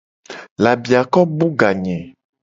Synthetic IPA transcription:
la˨bi˨a˨kɔ˦bu˦ɡa˨ɲɛ̃˨

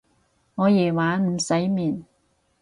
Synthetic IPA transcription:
ŋɔː˨˧jɛː˨˩waː˨˥nm̩˨˩sɐ˨˥jmiː˨˩n

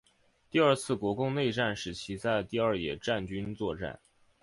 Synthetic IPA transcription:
t̪i˥˧ə˞˥˧t͡sʰɹ̩˥˩kwɔ˧˥kʊ˥˧ŋne˥˧ɪʈ͡ʂa˥˩nʂɻ̩˧˥t͡ɕʰi˧˥t͡sa˥˧ɪt̪i˥˧ə˞˥˩jɛ̰˨˩ʈ͡ʂa˥˩nt͡ɕy˥nt͡swɔ˥˧ʈ͡ʂa̰˥˩n

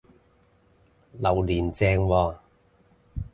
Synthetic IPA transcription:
lɐ˨˩wliː˨˩nt͡sɛː˧ŋwɔː˧

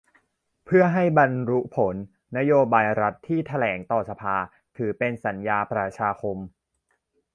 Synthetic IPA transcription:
pʰɯ˥˩ɐɦa˥˩jba˧nɾu˦˥pʰo˩˦nː | a˦˥joː˧baː˧jɾa˦˥t̪ʰːiː˥˩t̪ʰa˧lɛː˩˦ŋt̪ɔː˨˩sa˧pʰaː˧ | t̪ʰɯː˩˦pe˧nsa˩˦njaː˧pɾa˧t͡ɕʰaː˧kʰo˧m

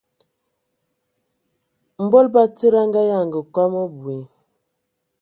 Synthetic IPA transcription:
m̩˨˦bɔ˦lba˦tə˦ɾa˦ŋ˦ɡa˦ja˦˨ŋɡə˨kwa˦mo˦bwi˨˦

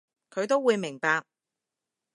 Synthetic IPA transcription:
kʰɵ˨˧ɥt̪o˥wuː˨˧jmɪ˨˩ŋpaː˧k̚

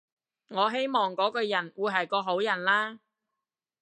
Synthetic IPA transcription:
ŋɔː˨˧ɦe˥jmɔː˨ŋkɔː˨˥kɔː˧jɐ˨˩nwuː˨˧jɦɐ˨jkɔː˧ɦo˨˥wjɐ˨˩nlaː˥

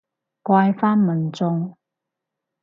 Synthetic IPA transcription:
kwaː˧jfaː˥nmɐ˨˩nt͡sʊ˧ŋ

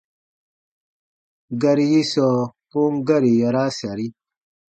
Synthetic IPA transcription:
ɡa˨ɾi˦ji˦sɔ˨po˦ŋ˦ɡa˦ɾi˨ja˨ɾa˦sa˨ɾi˦

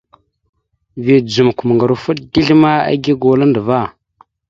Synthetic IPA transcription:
vi˨d͡zu˨m˨ku˨ma˨ŋɡa˨ɾu˨fu˦tdi˦ɮma˦a̰˦ɡi˦ɡo˨la˦ndə˨va˦˨

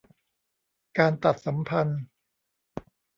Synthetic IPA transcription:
kaː˧nt̪a˨˩t̪̚sa˩˦mpʰa˧n

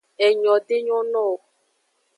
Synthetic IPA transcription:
ɛ˨ɲɔ̃˨te˦ɲɔ̃˦nɔ̃˦˨o˨

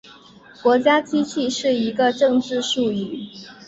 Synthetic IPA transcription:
kwɔ˧˥t͡ɕja˥t͡ɕʰi˥t͡ɕʰi˥˧ʂɻ̩˥˩i˧˥ɡə˧ʈ͡ʂɤ˥˧ŋʈ͡ʂɻ̩˥˧ʂu˥˧y˥˩

